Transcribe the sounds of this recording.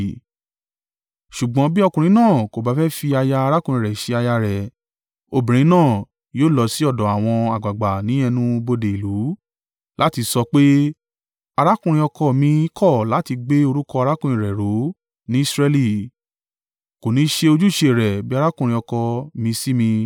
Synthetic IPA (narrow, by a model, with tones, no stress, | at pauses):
ʃu˨ɡ͡bɔ̃˨˦bi˦ɔ˦˧kũ˨ɾ̃ĩ˨˦nãː˦˨ko˨ba˨˦fɛ˦fi˧a˧ja˧a˧ɾa˦kũ˦˧ɾĩ˧˨ɾɛ˨ʃe˧a˧ja˧ɾɛ˨ | o˧bĩ˨ɾ̃ĩ˨˦nãː˦˨ | joː˦˨lɔ˧si˦ɔ˦˨dɔ̃˨˦a˨w̃ɔ̃˧a˨ɡ͡ba˨ɡ͡ba˨nĩ˨˦ɛ˧nũ˦˧bo˧de˨i˨lu˨˦ | la˦ti˧sɔ˧k͡pe˦ | a˧ɾa˦kũ˦˨ɾĩ˧ɔ˧kɔ˧˨mĩ˧˦kʰɔ˦˨la˨˦ti˧ɡ͡be˦o˧ɾu˦kɔ˧a˧ɾa˦kũ˦ɾ̃ĩ˧˨ɾɛ˨ɾo˨˦ | nĩ˨˦i˦sɾɛ˧li˦˨ | ko˨nĩ˨˦ʃe˧o˧d͡ʒu˦˨ʃe˧˨ɾɛ˨bi˦a˦˧ɾa˦kũ˦˧ɾĩ˧ɔ˧kɔ˧mĩ˧si˦mĩ˧